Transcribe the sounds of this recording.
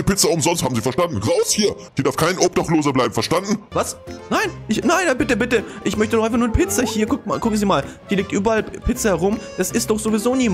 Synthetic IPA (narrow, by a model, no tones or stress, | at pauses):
pɪt͡sɐʊmzɔnsthaːbm̩ziːfɛɐʃtandn̩ʁaʊshiːɐ̥iːdaɐfkʰaɪnʔɔp̚d̥aχtloːzɐblaɪbm̩fɛɐʃtandn̩vasnaɪnʔɪçnaɪnbɪtəbɪtəʔɪçmœçtənɔχʔaɪfaχnuːɐdpʰɪt͡sɐhiːɐkʰʊkmakʰʊkŋ̩ziːmaːld̥iːliːk̚tʔyːbɐʔalpʰɪt͡səhɛʁʊmd̥asɪst̚d̥ɔχz̥ovizoːniːm